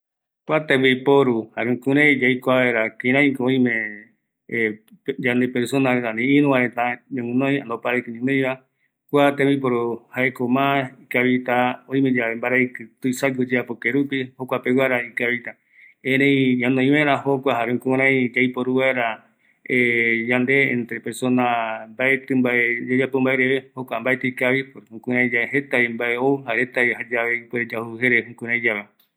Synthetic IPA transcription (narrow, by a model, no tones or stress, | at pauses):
kʷat̪eβipoɾuhaɾɨ̃kũɾẽj̃d͡ʒajkʷaeɾakĩɾ̃ãj̃kõĩmẽ | d͡ʒand̪epeɾsonaɾet̪anĩĩɾũãɾet̪aɲãŋũnõj̃ã̰nd̪opaɾekɨnĩnõj̃βa | kʷat̪eβip̬oɾuhaekomãikaβit̪aõĩmẽd͡ʒaembaɾaikɨt̪uisaɡud͡ʒeapokeɾupihokʷapewaɾaikaβit̪a | ẽɾẽĩɲãnõj̃mẽɾãhokʷaɦaɾeũkũɾ̃ãĩd͡ʒaipoɾuwaɾa | ejand̪e̞ḛ̃nt̪ɾepe̞ɾso̞nambaet̪ɨmbaed͡ʒad͡ʒapombaeɾeβehokʷambaet̪eikaβipoɾhũkũɾãĩd͡ʒaehet̪aimbaeouhaɾet̪aehad͡ʒaβeipeed͡ʒahuɦeɾehũkũɾ̃ãj̃d͡ʒaβe